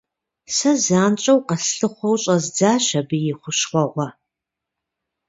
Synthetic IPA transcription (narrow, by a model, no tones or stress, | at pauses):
sɐzaːnt͡ʃʼɐwqɐsɬɨχʷɔwt͡ʃʼɐzd͡zaːʃɐbɨjɪχʷʊʃχʷɔʔʷɔ